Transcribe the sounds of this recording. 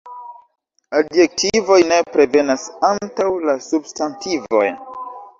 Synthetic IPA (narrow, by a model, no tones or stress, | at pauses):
adje̞k̚tʰivo̞jne̞pɾe̞ve̞nasantawlasubstantivo̞̰j